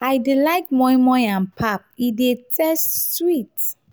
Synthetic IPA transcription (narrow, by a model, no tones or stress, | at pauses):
aɪdilaɪk̚mɔ̃jmɔ̃ãnpʰap̚idetʰɛststwit